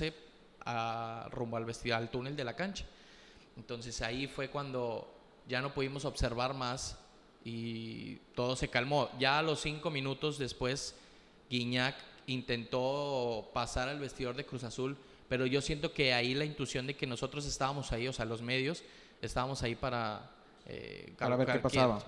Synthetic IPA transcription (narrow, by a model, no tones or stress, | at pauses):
e | arumboalβest̪ioalt̪une̞ld̪e̞lakant͡ʃḁ | ent̪o̞nse̞saifwe̞kwand̪o̞ | ʝano̞puðimo̞so̞βse̞ɾβaɾmas | i | t̪o̞ð̞o̞se̞kalmo̞ʝalo̞sːiŋko̞mĩnut̪o̞zðe̞spwe̞z | ɡiɲakint̪e̞nt̪o̞pasaɾalβe̞st̪iðo̞ɾðe̞kɾus̬asul | pe̞ɾo̞ʝo̞sje̞nt̪oke̞ailaint̪wusjo̞nd̪e̞ke̞no̞so̞t̪ɾo̞s̬e̞st̪aβamo̞saio̞sealo̞zme̞ðjo̞s | e̞st̪aβamo̞saipaɾa | ḛkaaβɾaepasaβa